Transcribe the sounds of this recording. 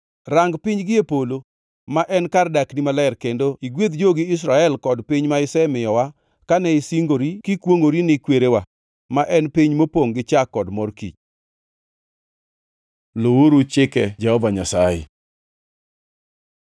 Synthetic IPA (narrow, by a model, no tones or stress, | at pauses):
raŋɡpɪɲɡɪepolo | maʔɛnkardaknimalɛrkendoʔiɡwet̪̚d͡ʒoɡɪɪs̬ɾaɛlkɔdpɪɲmaɪsɛmɪjɔwa | kanɛɪsiŋɡoɾikɪkwoŋoɾinɪkweɾewa | maʔɛnpiɲmopoŋɡɪt͡ʃakːɔdmɔrkḭt͡ʃ | lowoɾut͡ʃɪkɛd͡ʒɛhɔvaɲasajɛ̰